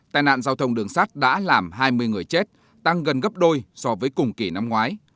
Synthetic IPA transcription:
t̪a̰ː˧˩jna̰ː˧˨nzaː˧wt̪ʰə˧wŋ͡mɗɨ˨˩əŋsaː˦˥t̚ɗa̰ː˧˥laː˨˩mɦaː˧jmɨ˧əjŋɨ˨˩əjt͡ɕe˦˥t̚ | t̪a˧ŋɣə˨˩nɣə˦˥p̚ɗo˧jsɔ˧vəː˨˦jkʊ˨˩ŋ͡mki˧˩na˧mŋwaː˨˦j

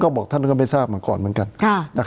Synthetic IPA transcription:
kɔː˥˩bɔː˨˩k̪̚ʰa˥˩nkkɔː˥˩ma˥˩jsaː˥˩p̚ma˧˦kɔ̰ː˨˩nmɯ˨˩˦nka˧nkʰa˧˩na˧˩

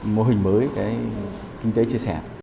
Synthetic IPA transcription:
mo˧ɦi˨˩ŋ̟məː˨˦jkaː˨˦j | kï˧ŋ̟t̪e˨˦t͡ɕi˧əsɛ̰˧˩

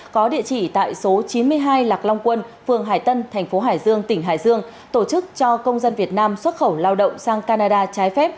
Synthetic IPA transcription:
kɔ˨˦ɗḭ˧˨ət͡ɕḭ˧˩t̪a̰ː˧˨jso˨˦t͡ɕi˨˦nmɨ˧əjɦaː˧jlaː˨˩k̚la˧wŋ͡mkwə˧nfɨ˨˩əŋɦa̰ː˧˩jt̪ə˧nt̪ʰɛ˨˩ŋ̟fo˨˦ɦaː˧˩jzɨ˧əŋt̪ï˧˩ŋ̟ɦa̰ː˧˩jzɨ˧əŋ | t̪o˧˩t͡ɕɨ˦˥k̚t͡ɕɔ˧kə˧wŋ͡mzə˧nvi˨˩ət̚naː˧mswə˦˥t̚xə˧˩wlaː˧wɗə̰˧˨wŋ͡msaː˧ŋkaː˧naː˧ɗaː˧t͡ɕaː˨˦jfɛ˦˥p̚

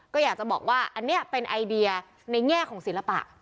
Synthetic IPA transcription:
kɔː˥˩jaː˨˩k̚t͡ɕa˨˩bɔ̰ː˨˩k̚waː˥˩ʔa˧nːi˦˥ɐpe˧nʔa˧jdi˧ɐ | na˧jŋɛː˥˩kʰɔː˩˦ŋsi˩˦la˧pa̰˨˩ʔ

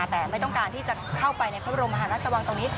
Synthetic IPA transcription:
t̪ɛː˨˩ma˥˩jt̪ɔ˥˩kaː˧nt̪ʰiː˥˩t͡ɕa˨˩kʰa˥˩wpa˧jna˧jʰɾo˧ma˧ɦaː˩˦na˦˥t̪̚sʰa˧wa˧ŋt̪o˧ŋniː˦˥

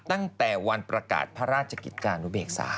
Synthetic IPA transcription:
t̪a˥˩ŋt̪ɛː˨˩wa˧npɾa˧ka̰ː˨˩t̪̚pʰa˦˥ɾaː˥˩t̪̚t͡ɕʰa˧kḭ˨˩t̪̚kaː˧nu˦˥beː˨˩k̚sa̰ː˩˦

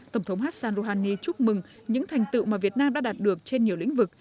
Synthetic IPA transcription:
t̪ə˧˩wŋ͡mt̪ʰwŋ͡mɦaː˦˥t̚saː˧nzo˧ɦaː˧nːi˧t͡ɕʊ˦˥k͡p̚mɨ˨˩ŋ | ɲɨ̰˧˥ŋt̪ʰɛ˨˩ŋ̟t̪ɨ̰˧˨wmaː˨˩vi˨˩ət̚naː˧mɗa̰ː˧˥ɗaː˨˩t̚ɗɨ˨˩ək̚t͡ɕe˧nɲi˨˩əwlḭ̈˧˥ŋ̟vɨ˨˩k̚

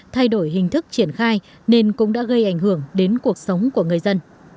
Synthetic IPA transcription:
t̪ʰa˧jɗo˧˩jɦï˨˩ŋ̟t̪ʰɨ˦˥k̚t͡ɕi˧˩ənxaː˧j | ne˧nkʊ̰˧˥ŋ͡mɗa̰ː˧˥ɣə˧jʔa˧˩jŋ̟ɦɨ˧˩əŋɗe˨˦nku˨˩ək̚sə˨˦wŋ͡mku˧˩əŋɨ˨˩əjzə˧n

